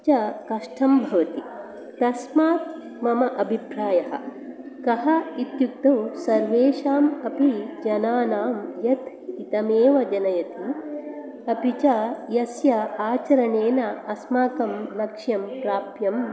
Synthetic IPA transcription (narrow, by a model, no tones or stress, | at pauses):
t͡ʃɐkɐʂʈʰɐmbʱɐʋɐt̪i | t̪ɐsmaːt̪̚ | mɐmɐʔɐbʱipɾaːjɐɦɐ̰̆ | kɐɦɐit̪juk̚t̪ɐwsɐɾʋeːʃaːmɐpid͡ʒɐnaːnaːmjɐt̪ʰ | it̪ɐmeːʋɐd͡ʒɐnɐjɐt̪i | ɐpit͡ʃɐjɐsjɐaːt͡ʃɐɾɐɳeːnɐɐsmaːkɐmlɐkʂjɐmpɾaːpjɐm